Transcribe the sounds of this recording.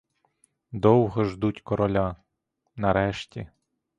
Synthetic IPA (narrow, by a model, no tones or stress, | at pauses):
d̪ɔwɦɔʒd̪utʲkɔɾɔlʲa | nɐɾɛʃtʲi